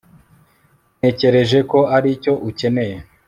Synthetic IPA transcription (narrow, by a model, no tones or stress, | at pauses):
ne̞ce̞ɾe̞ʒe̞ko̞aɾico̞ʔuce̞ne̞je